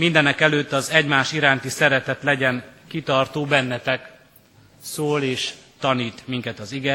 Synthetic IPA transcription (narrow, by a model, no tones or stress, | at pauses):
mind̪ɛnɛkɛløːt̪ːɒzɛɟmaːʃiɾaːnt̪isɛɾɛt̪ɛt̪lɛɟɛnkit̪ɒrt̪oːbɛnːɛt̪ɛk | soːleːʃt̪ɒniːt̪miŋkɛt̪ɒziɡɛ